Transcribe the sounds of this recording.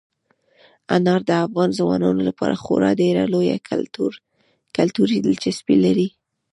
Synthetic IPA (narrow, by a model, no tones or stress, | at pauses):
anɑɾd̪əafɣɑnzawɑnɑnolapɑɾaxoɾɑɖeɾaloja̰ | kalt̪uɾid̪əlt͡ʃɪspilaɾi